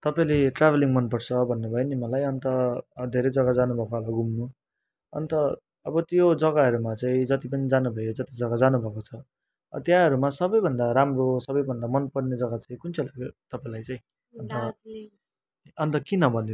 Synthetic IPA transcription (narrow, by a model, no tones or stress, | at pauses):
t̪ʌpaĩleʈrabʱeliŋmʌnpʌɽt͡sʰʌbʱʌnːubʱʌenimʌlajʌnt̪ʌd̪ʱeɾʌd͡zʌɡad͡zanubʱʌkoɦalaɡumnu | ʌ̰nt̪ʌ | ʌbʌt̪jod͡zʌɡaɦʌɾumat͡sãĩd͡zʌt̪ipʌnid͡zanubʱʌjod͡zʌt̪id͡zʌɡad͡zanubʱʌkot͡sʰʌ̰ | t̪jãɦʌɾumasʌbʌjbʱʌnd̪aɾamrosʌbʌjbʱʌnd̪amʌnpʌrned͡zʌɡat͡saĩkunt͡sʰʌlaɡjot̪ʌpaĩlajt͡sãĩ | ʌnt̪ʌ | ʌnt̪ʌkinʌbʱʌnːe